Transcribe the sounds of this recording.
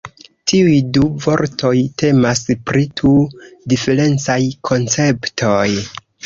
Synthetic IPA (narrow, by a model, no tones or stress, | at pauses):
tiujduvo̞ɾtʰo̞jte̞maspɾitʰudife̞ɾe̞nt͡sajkʰo̞nt͡se̞ptʰo̞j